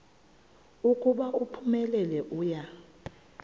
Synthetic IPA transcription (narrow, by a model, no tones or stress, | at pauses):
ukʼuɓaʔupʰumɛlɛlɛʔuːja